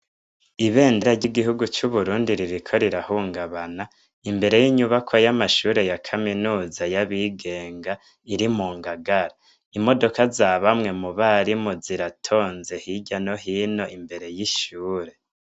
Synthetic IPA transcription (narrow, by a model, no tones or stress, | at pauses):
iβe̞ːndeɾaɟiɡiɦuɡut͡ʃuβuɾuːndiɾiɾikʰo̞ɾiɾahuːŋɡaβana | imbe̞ɾe̞jiɲuβakʰojamaʃuːɾe̞jakʰaminuːzajaβiɡe̞ːŋɡa | iɾimuːŋɡaɡaɾa | imo̞do̞kazaβamŋe̞muβaɾimuziɾatʰo̞ːnze̞hiɟano̞ɦiːno̞ʔimbe̞ɾe̞jiʃuːɾe̞